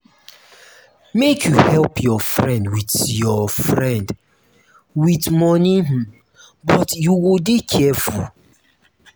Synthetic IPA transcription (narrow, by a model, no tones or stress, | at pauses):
mekʰjuhɛlpʰjɔfɹɛ̃ndwitjɔfɹɛ̃nd | witmɔnĩh̩ | bɔtjuwilbikʰɛfṵl